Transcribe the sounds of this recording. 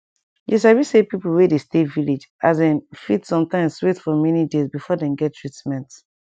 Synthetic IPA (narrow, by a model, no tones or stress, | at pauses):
jis̬awisepipl̩wedesteviled͡ʒazɛ̃nfitsɔ̃mtãɪ̃mswetfɔmɛnidezbifɔdɛ̃mɡɛtʰːɹ̥itmɛ̃nt